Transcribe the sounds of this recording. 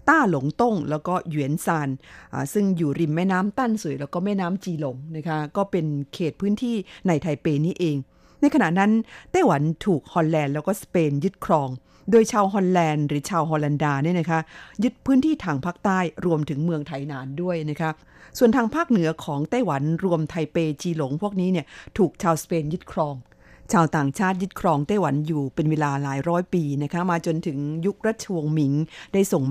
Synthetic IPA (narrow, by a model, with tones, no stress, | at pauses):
t̪aː˥˩lo˩˦ŋt̪o˥˩ŋlɛː˦˥wkɔː˥˩jwi˩˦ənsaː˧nʔaː˨˩sɯ˥˩ŋjuː˨˩ɾi˨˩mːɛː˥˩naː˦˥mt̪aː˥˩nsu˨˩˦jlɛː˦˥wkɔː˥˩mɛː˥˩naː˦˥mt͡ɕiː˧lo˩˦ŋna˦˥kʰa˦˥kɔː˥˩pe˧nkʰeː˨˩t̪̚pʰɯː˦˥nt̪ʰiː˥˩na˧jt̪ʰa˧jpeː˧niː˦˥ʔeː˧ŋ | na˧jkʰa˧na˨˩ʔna˦˥nt̪aː˥˩jwa˩˦nt̪ʰuː˨˩k̚hɔː˧nlɛː˧nlɛː˦˥wkɔː˥˩speː˧njɯ˦˥t̪̚kʰɾɔː˧ŋ | doː˧jt͡ɕʰaː˧wɦɔː˧nlɛː˧nɾɯː˩˦t͡ɕʰaː˧wɦɔː˧la˧ndaː˧ni˥˩ɐna˦˥kʰa˦˥ʔjɯ˦˥t̪̚pʰɯː˦˥nt̪ʰiː˥˩t̪ʰaː˧ŋpʰaː˥˩k̚t̪aː˥˩jɾu˧əmt̪ʰɯ˩˦ŋmɯ˧əŋt̪ʰa˧˩jnaː˩˦ndu˥˩əjna˦˥kʰa˦˥ | su˨˩ənt̪ʰaː˧ŋpʰaː˥˩k̚nɯ˨˩˦ɐkʰɔː˩˦ŋt̪aː˥˩jwa˩˦nɾu˧əmt̪ʰa˧jpeː˧t͡ɕiː˧lo˩˦ŋpʰu˥˩ək̚niː˦˥ni˥˩ɐt̪ʰuː˨˩k̚t͡ɕʰaː˧wspeː˧njɯ˦˥t̪̚kʰɾɔː˧ŋ | t͡ɕʰaː˧wt̪aː˨˩ŋt͡ɕʰaː˥˩t̪̚jɯ˦˥t̪̚kʰɾɔː˧ŋt̪a˥˩jwa˩˦njuː˨˩pe˧nweː˧laː˧laː˩˦jɾɔː˦˥jpiː˧na˦˥kʰa˦˥maː˧t͡ɕo˧nt̪ʰɯ˩˦ŋju˦˥k̚ɾa˦˥t̪̚t͡ɕʰa˧wu˧ŋmi˩˦ŋda˥˩jso˨˩ŋ